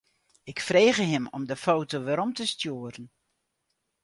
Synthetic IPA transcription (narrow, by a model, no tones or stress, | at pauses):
ɪkfreːɣəɦɪmɔ̰mdəfoːtoʋɛɾɔmtəstjuːəɾən̩